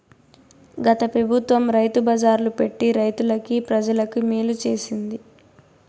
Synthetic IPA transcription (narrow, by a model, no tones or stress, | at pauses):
ɡɐt̪ɐpɾɐbʱut̪ʋɐmɾɐjt̪ubɐːd͡ʒaːɾlupe̞ʈːiɾɐjt̪ulɐkipɾɐd͡ʒɐlɐkumiːlut͡ʃe̞ːsind̪i